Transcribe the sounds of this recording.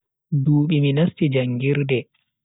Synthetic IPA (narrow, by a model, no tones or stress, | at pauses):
duːɓiminastid͡ʒaŋɡiɾdɛ